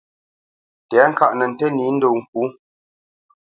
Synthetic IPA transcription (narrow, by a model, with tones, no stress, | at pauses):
tɛ˨˦ŋ̩˦ka˦˨ʔnə˨n̩˨tɛ˦ni˨˦n̩˦do˨ŋ̩˨k̚u˨˦